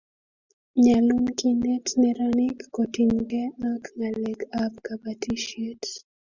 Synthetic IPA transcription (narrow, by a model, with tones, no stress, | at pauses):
ɲa˨lu˦nki˦nɛ˦tnɛ˨ɾani˦kːo˨ti˨nɡɛ˦ma˦kŋa˨lɛ˨ka˦pka˨ba˨ti˦ʃe˦t